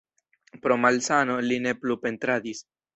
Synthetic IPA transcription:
pɾomalsanolineplupe̞nt̪ɾad̪is

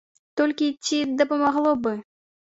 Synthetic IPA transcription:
t̪ɔlʲkʲit͡sʲːid̪ɐpɐmaɣlˠɔbɨ

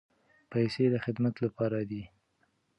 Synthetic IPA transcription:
pajsed̪əxɪd̪mat̪lapɑɾad̪i

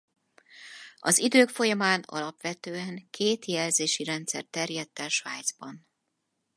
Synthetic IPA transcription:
ɒzid̪øːkfo̞jɒmaːnɒ̰lɒpʋɛt̪øːɛŋkʰeːt̪jɛlzeːʃiɾɛnt̪sɛ̰rt̪ɛrjɛt̪ːɛʃʋaːjd̪zbɒn

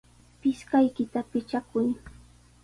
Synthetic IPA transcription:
pɪskajkɪt̪apɪt͡ʃakʊj

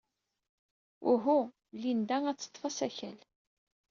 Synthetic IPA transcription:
ʊɦu | lːind̪æŋæt͡sːə̥t̪ˤːfɑsæçæl

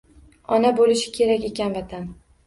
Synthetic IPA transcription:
ɒnabolɪʃɪ̥kʲʰe̞ɾakʲe̞kʲanvat̪ʰan

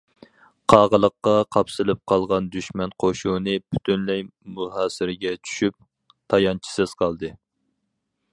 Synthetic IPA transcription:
qʰɑːʁəlˠəqːɑqʰɑpsɨlɪp̚qʰɑlˠʁɑnd̪yʃmɛnqʰoʃunɨpʰyt̪ʰynlɛjmuɦɑːsɪɾɪɡʲɛt͡ʃʰy̥ʃyp̚ | t̪ʰɑjɑnt͡ʃʰi̥sɨz̥qʰɑlˠd̪ɨ

